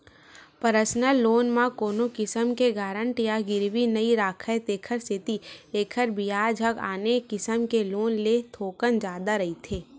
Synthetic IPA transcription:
pəɾəsnəloːnmãkoːnokɪsəmkeɡaːɾə̃ɳʈjaɡɪɾʋinɐiɾaːkʰəet̪eːkʰəɾsɪt̪ieːkʰəɾbijaːd͡ʒʱəɡa̰ːnekɪsəmkeloːnlet̪ʰoːkənd͡ʒaːd̪aɾɐɦit̪ʰeː

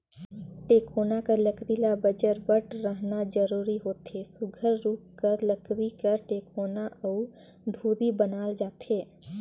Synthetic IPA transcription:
ʈeːkoːnakaləkɾilabəd͡ʒəɾbəʈɾəɦnad͡ʒəɾuːɾiɦoːt̪esʊɡʱəɾːuːkkəɾləkwikəɾʈeːkoːnaʔɔʊ | d̪ʱuːɾibənaːld͡ʒaːt̪eː

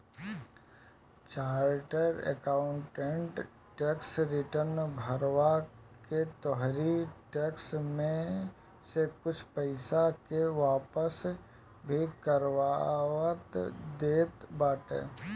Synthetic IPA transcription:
t͡ʃaːɾʈəɾḛkaːʊ̃ɳʈẽɳʈ | ʈɛːksɾɪʈəɾnbʱəɾʋa | ket̪ɔɦɾiʈɛːksmẽ | sekʊt͡ʃʰpəɪsakeʋaːpəs | bʱikəɾʋaʋət̪d̪eːt̪baːʈḛː

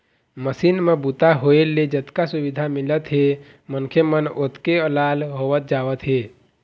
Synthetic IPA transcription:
məsinmebut̪aɦoeled͡ʒət̪kasubid̪ʱamilət̪ɦe | mənkʰemənot̪keəlalɦowət̪̚d͡ʒaʋət̪ɦe

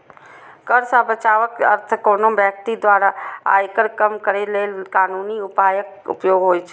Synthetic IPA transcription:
kəɾsabət͡ʃaːʋəkə̰ɾt̪ʰəkoːnobjək̚t̪id̪ʋaːɾaa̰jkəɾkəmkəɾeleːlkaːnuːniʊpaːjək̚ | ʊ̰pjoːɡɦoːjt͡ʃʰe̥

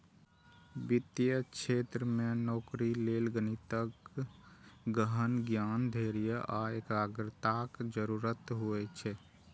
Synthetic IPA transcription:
bit̪ijəkʃʰeːt̪ɾəmenɔːkɾileːlɡənit̪ək | ɡəɦənɡjaːnd̪ʱeɾijəʔaeːkaːɡɾət̪akd͡ʒəɾuːɾət̪ɦoɛt͡ʃʰɛ

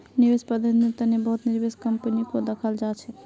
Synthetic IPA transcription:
nibespəd̪ʱənmet̪ənebəɦut̪niɾbeskəmpənikod̪əkʰəld͡ʒat͡ʃʰɛ

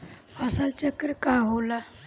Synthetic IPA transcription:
əsalt͡ɕəkɾəkaɦola

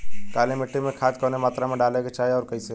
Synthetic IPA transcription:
kaːlimɪʈːimẽkʰaːt̪kɔːnemaːt̪ɾamẽɖaːleket͡ʃaːɦeɔːɾkəĩse

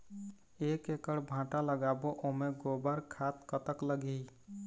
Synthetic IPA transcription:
ekekəɽbʱãʈaləɡaboʔomeɡobəɾkʰat̪kət̪əkləɡi

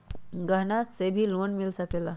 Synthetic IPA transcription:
ɡənasebʱiːlonmilsakela

